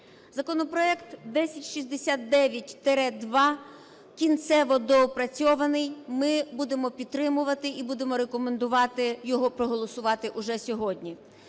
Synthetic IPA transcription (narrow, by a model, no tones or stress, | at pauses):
zɐkɔnɔpɾɔɛkt̪d̪ɛsʲɐtʲʃizʲd̪esʲat̪̚d̪ɛʋʲjɐtʲt̪eɾɛd̪ʋɑ | kʲint̪sɛʋɔd̪ɔːpɾɐt͡sʲɔʋɐnɪjmɪbud̪e̞mɔpʲid̪̚t̪ɾɪmʊʋɐt̪ɪʔibud̪e̞mɔɾekɔmend̪ʊʋɑt̪ɪjɔɦɔpɾɔɦɔlˠɔsʊʋɑt̪ɪʔʊʒɛsʲɔɦɔdʲnʲi